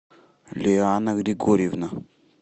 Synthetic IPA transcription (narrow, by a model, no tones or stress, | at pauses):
leanakɾiɡoɾevina